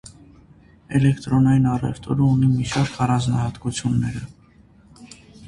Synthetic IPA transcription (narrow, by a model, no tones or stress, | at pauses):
ɛlɛkt̪ɾɔnɑjinɑrɛ̰ft̪ʰɔɾəunimit͡ʃʰɑɾkʰɑrɑnznɑhɑt̪kut͡sʰjunːɛɾə